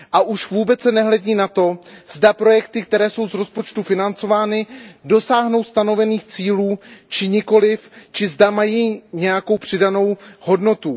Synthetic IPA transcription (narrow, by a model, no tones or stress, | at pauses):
ʔaʔuʃvuːbɛt͡ssɛnɛɦlɛɟiːnat̪o̞z̥dapɾo̞jɛkt̪ɪk̚t̪ɛɾɛːso̞wzɾo̞spo̞t͡ʃt̪ufɪnant͡so̞vaːnɪdo̞saːɦno̞wst̪ano̞vɛniːxt͡siːluːt͡ʃɪɲɪko̞lɪft͡ʃɪzdamajiːɲɛjako̞wpr̝̥ɪdano̞who̞dno̞t̪u